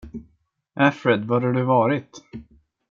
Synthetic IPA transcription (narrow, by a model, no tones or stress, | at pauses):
ʔæfɾɛd̪vaɖɛɖ̪ɵvɑːɾɪt̪